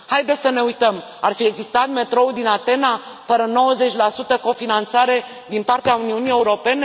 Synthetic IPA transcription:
hajd̪e̞səne̞ujt̪əm | arfie̞ɡzist̪at̪me̞t̪ɾo̞ud̪inat̪e̞na | fəɾəno̞wəze̞t͡ʃʲlasut̪əko̞finant̪saɾe̞ | d̪inpart̪eauniunije̞uɾo̞pe̞ne

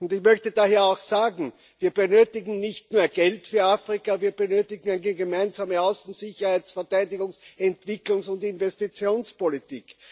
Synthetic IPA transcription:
ʊntɪçmœçtədaːheːɐɑʊxsaːɡŋ̩ | viːɐb̥ənøːtɪɡŋ̩nɪçtnuːɐɡ̥ɛltfyːɐaːfʁɪkaviːɐb̥ənøːtɪɡŋ̩æɪnəɡemæɪnzaːməaʊsn̩zɪçɐhæɪt͡ssfɛɐtæɪdɪɡʊŋsɛntv̥ɪklʊŋsʊntɪnvɛstit͡sjoːnspolitiːk

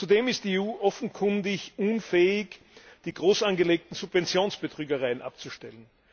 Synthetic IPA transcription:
t͡sudeːmɪstd̥iːeuːʔɔfn̩kʰʊndɪçʔunfɛːɪç | d̥iːɡʁoːsanɡəleːk̚tn̩supvɛnt͡sjoːnsb̥ətʁ̥yːɡəʁaɪənʔa̰p̚t͡suʃtɛlən

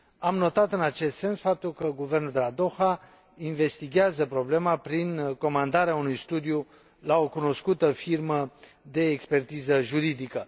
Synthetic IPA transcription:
amno̞t̪at̪ɨnat͡ʃe̞st̪se̞nsfap̚t̪ulkəɡuve̞rnuld̪elad̪o̞xa | inve̞st̪iɡʲɪazəpɾo̞ble̞mapɾinko̞mand̪aɾeaunujst̪ud̪iju | lao̞kuno̞skut̪əfirmə | d̪e̞ːkspe̞rt̪izəʒuɾid̪ikə

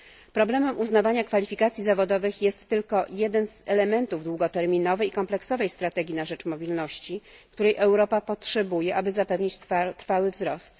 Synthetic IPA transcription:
pɾɔblɛmɛmʔuznavaɲakfalʲifʲikat̪sʲjizavɔd̪ɔvɘxjɛst̪ːɘlkɔjɛd̪ɛnz̥ɛlɛmɛnt̪uvd̪wuɡɔt̪ɛɾmʲinɔvɛjkɔmplɛksɔvɛjst̪ɾat̪ɛɡʲinaʐɛt͡ʂmɔbʲilnɔɕt͡ɕikt̪uɾɛjʔɛwɾɔpapɔtʂɛbujɛʔabɘzapɛvɲit͡ɕt̪ɾfawɘvzɾɔst̪

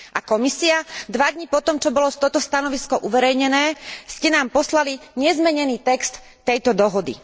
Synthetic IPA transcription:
ʔakɔmisiad̪ʋad̪ɲipɔt̪ɔmt͡ʃɔbɔlɔst̪ɔt̪ɔst̪anɔʋiskɔʔuʋɛɾɛjɲɛnɛːscɛnaːmpɔslaliɲɛzmɛɲɛniːt̪ɛkst̪ːɛjt̪ɔd̪ɔɦɔd̪ḭ

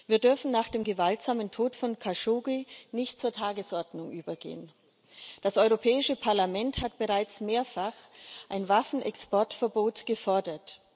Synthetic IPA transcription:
viːɐdʏɐfn̩naːχd̥eːmɡəvaltz̥aːməntʰoːtfɔnkʰaʃoːɡinɪçtt͡suːɐtʰaːɡəsʔɔɐdnʊŋʔyːbɐɡḛːən | d̥asʔɔʏʁopʰɛːɪʃəpʰaɐlamɛnthatb̥əʁaɪt͡smeːɐfaχʔaɪnvafn̩ʔɛ̰kspʰɔɐtfɛɐboːtɡ̥əfɔɐdɐt

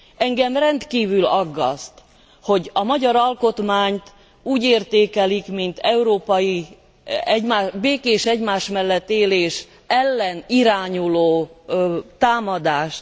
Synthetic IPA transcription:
ɛŋɡɛmrɛnt̪kiːvylɒɡːɒ̰st̪ | ho̞ɟɒmɒɟɒɾɒlko̞t̪maːɲt̪ | uːɟeːrt̪eːkɛlikmint̪ɛuɾoːpɒji | ɛɟmaːbeːkeːʃɛɟmaːʃmɛlːɛt̪ːeːleːʃ | ɛlːɛniɾaːɲuloː | t̪aːmɒd̪aːʃt̪

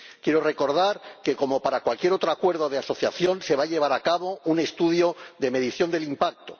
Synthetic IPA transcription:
kje̞ɾore̞ko̞ɾðaɾke̞ko̞mo̞paɾakwalkje̞ɾo̞t̪ɾoakwe̞ɾðo̞ð̞easo̞θja̰θjo̞nse̞β̞aʎe̞β̞aɾakaβo̞une̞st̪uðjo̞ðe̞me̞ðiθjo̞nd̪e̞limpak̚t̪o

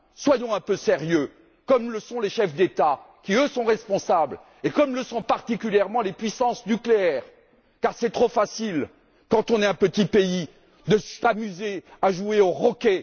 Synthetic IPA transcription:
swajɔ̃ɛ̃pøseʁjø | kɔmləsɔ̃leʃɛfd̪et̪a | kʲiøsɔ̃ʁɛspɔ̃sabl | ekɔmləsɔ̃paʁt̪ikʲyljɛʁmɑ̃lepɥisɑ̃snykleɛːʁ | kaʁsɛt̪χofasil | kɑ̃t̪ɔ̃nɛɛ̃pət̪ipei | d̪əsamyzeaʒueoʁɔkʲe

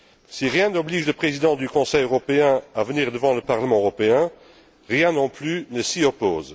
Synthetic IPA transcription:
siʁjɛ̃nɔbliːʒləpχezid̪ɑ̃d̪ykɔ̃sɛjøʁɔpeɛ̃avəniːʁd̪əvɑ̃ləpaʁləmɑ̃øʁɔpeɛ̃ | ʁjɛ̃nɔ̃plynəsiɔpoːz

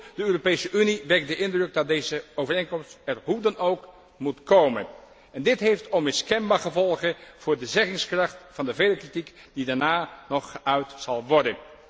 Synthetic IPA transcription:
d̥əøːropejsəʔyniʋɛk̚dəʔɪndrɵk̚dɑt̚dejzəowvərejnkɔmstɛɹɦudənowk | mutkowmə̰n | ɛndɪtɦejftɔnmɪskɛnbaːχəvɔlˠχəv̥ʊːɹdəzɛχɪŋskrɑχtfɑndəvejləkritik | d̥idaːɹnaːnɔχːəʔœɥtsɑlˠʋɔɹdən

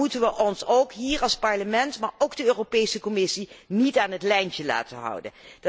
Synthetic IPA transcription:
utənʋəʔɔnsowkɦiːɹɑlˠspɑɹləmɛntmaːɹowɡdəøːropejsəkɔmɪsinitaːnɦətlɛjncəla̰ːtənɦʌ̰wdə̰nd

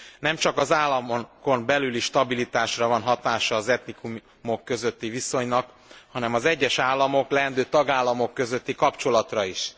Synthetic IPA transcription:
nɛmt͡ʃɒkɒzaːlːɒmoko̞mbɛlyliʃt̪ɒbilit̪aːʃrɒvɒnɦɒt̪aːʃɒːzɛt̪nikum | mo̞kːø̞zø̞t̪ːiviso̞ɲnɒk | hɒnɛmɒzɛɟːɛʃaːlːɒmo̞klɛɦɛnd̪øːt̪ɒɡaːlːɒmo̞kːø̞zø̞t̪ːikɒpt͡ʃo̞lɒt̪rɒiʃ

